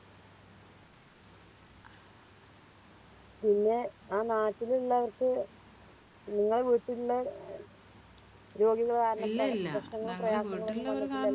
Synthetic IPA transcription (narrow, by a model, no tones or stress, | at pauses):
pinːe̞ | aːnaːtːiliɭːɐːʋɐrkɨ | niŋːɐɭeʋiːʈːiuɭːɐ | ɾo̞ːɡiɣɐɭkaːɾnɐɐprɐkʂɳɐŋːɐɭprɐjaːɐŋːɐɭʋɐnːiɐːɐkːilːɐ